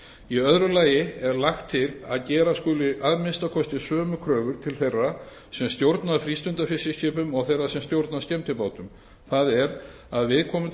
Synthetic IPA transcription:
iœðɾʏlaːjɪɛɾlaxt̪ʰːɪla̰ðcɛːɾaskʏlʏʔaðmɪnst̪akʰɔst̪ɪsœːmʏkʰɾœːɣʏɾ̥t̪ʰɪlθejrːa | sɛmst̪jowɾt̪naðfɾiːst̪ʏnt̪afɪsɪscɪːpʏmɔɣθejrːasɛmst̪jowɾt̪naðscɛmt̪ʰɪpaːwt̪ʏm | θaðɛɾ | aðvɪðkʰɔːmʏm

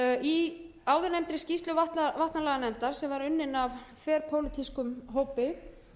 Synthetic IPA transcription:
i | aːwðʏɾnɛmt̪ɾɪ̥scist̪lʏvat̪avaht̪nalɛɣanɛmt̪aɾ̥sɛmvaɾʏnːɪnavfvɛːɾpʰowlɪt̪ʰiskʏmɦoːwpɪ

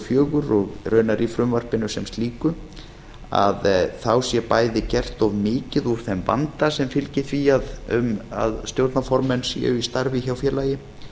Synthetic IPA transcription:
fjœːɣʏɾɔɣrœːɥnaɾifɾʏmvar̥pɪnʏsɛmst̪liːkʏ | a̰ðθawsjɛpaːjðɪcɛr̥t̪ɔvmɪːcɪðuɾ̥θɛmva̰nt̪asɛmfɪlcɪθviaðʏ̰ma̰ðst̪jowɾt̪nafɔɾmɛnsɛ̰ʏist̪aɾvɪçawfjɛlajɪ

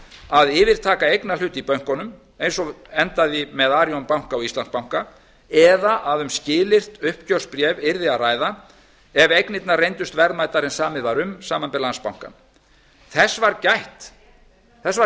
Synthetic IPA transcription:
aðɪːvɪɾ̥t̪ʰaːkaejknal̥ʏːt̪ipœɥŋ̥kɔnʏm | ejnsɔɛnt̪aðimɛðaːɾjɔnpawŋ̥kaɔɣist̪ank̚pawŋ̥ka | ɛðaʔaðʏmscɪːlɪr̥t̪ʏhpcœr̥spɾjɛːvɪɾðɪaraːjða | ɛvejknɪt̪narejnt̪ʏst̪vɛɾðmaːjt̪aɾɛnsaːmɪðvaɾʏmsaːmanpɛɾlanspawŋ̥ka̰n | θɛsːvaɾcajht̪ | θɛsva

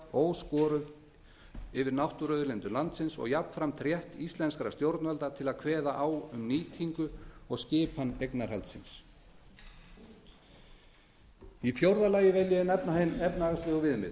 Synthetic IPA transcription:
oːwskɔːɾʏ | ɪvɪɾnawht̪ʊɾœðʏɾlɛnt̪ʏlant̪sɪnsɔ̰ɣjapn̥fɾamt̪ʰɾjɛht̪ist̪lɛnskɾa̰st̪jowɾt̪nalt̪at̪ʰɪlaðkʰvɛːðaʔaːwʏmniːt̪ʰiŋkʏɔɣscɪːphanːejknaɾ̥halt̪sɪ̰ns | ifjowɾðalaːjɪvɛljɪnɛpnahejnɛpnaɣast̪ɪːɣuvɪðmɪ̰ð

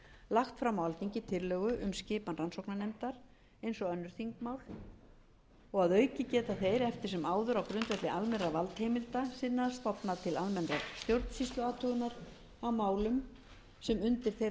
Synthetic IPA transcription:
laxt̪fɾamawalt̪iɲcɪt̪ʰɪɾlœːɣʏʔʏmscɪːpanransɔwknanɛmt̪aɾ̥ | ejnsɔɣœnːʏɾ̥θiŋkmawl | ɔɣaðœːɥcɪcɛːt̪aθejɾɛft̪ɪ̥ɾ̥sɛmaːwðʏɾawkɾʏnt̪vɛt̪lɪalmɛnravalt̪hejmɪlt̪asɪnːast̪ɔpnaðt̪ʰɪlalmɛnɾaɾst̪jowɾt̪n̥sist̪lʏaːt̪ʰʏɣʏnaɾ | awmaːwlʏm | sɛmʏnt̪ɪɾ̥θej

